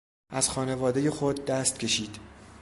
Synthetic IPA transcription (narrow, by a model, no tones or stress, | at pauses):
ʔæz̥xɒːne̞vɒːd̪eje̞xod̪̚ːæst̪cʰʲe̞ʃiːd̪